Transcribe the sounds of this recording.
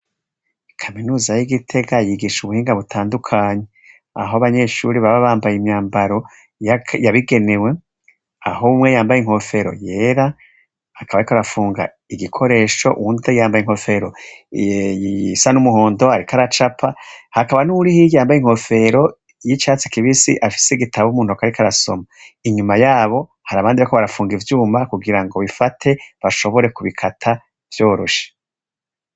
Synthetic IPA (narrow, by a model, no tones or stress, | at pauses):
kʰaminuːzajiɡitʰe̞ɡajiɡiʃuβuhiːŋɡaβutʰaːndukʰaːɲe | a̰ɦoβaɲe̞ʃuːɾiβaβaβaːmbajimɲaːmbaɾo̞ | jjaβiɡe̞ne̞we̞ | a̰ɦoumŋe̞jaːmbajeŋ̥ho̞fe̞ɾo̞̰je̞ːɾa | hakʰaβaɾikoɾafuːŋɡa̰ | iɡikʰo̞ɾe̞ːʃo̞̰ʔṵundejaːmbajiŋ̥ho̞fe̞ɾo̞ | isanumuɦo̞ːndo̞haɾikʰaɾat͡ʃapʰahakaβanuɾihijaːmbajiŋ̥hofe̞ɾo̞ | jit͡ʃaːt͡si̥kiβisḭʔafi̥seɡitʰaβumuːn̥uakaɾikʰaɾaso̞̰maiɲumajaːβo̞ | haɾaβaːndiβakoβaɾafuːŋɡivjuːmakuɡiɾaŋɡo̞βifatʰe̞βaʃoβo̞ɾe̞kuβikʰatʰa | v̥jo̞ːɾoʃḁ